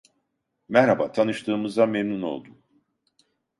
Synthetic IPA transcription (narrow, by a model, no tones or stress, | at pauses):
mɛhɾabaːt̪ʰanɯʃt̪ʰɯːmɯzd̪amemnuno̞̰lˠd̪um